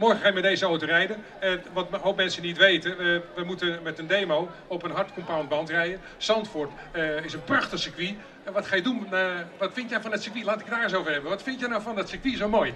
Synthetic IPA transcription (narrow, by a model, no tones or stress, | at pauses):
mɔɹxəxaːjmɛdejzəoːtərɛjdən | ʋɑtɦowpmɛnsənitʋejtəəʋəmutənmɛtəndejmow | ɔpənɦɑɹtkɔmpawntbɑntrɛjən | sɑntfʊɹt | ɪsənprɑxtəsəkʋi | ʋɑtxaːjədunʋɑtfɪntjɛjfɔndɔtsəkʋilaːtɪkədaːrɪs̬owvərɦɛbənʋɑtfɪntjɛjnawfɔndɔtsəkʋisowmoːj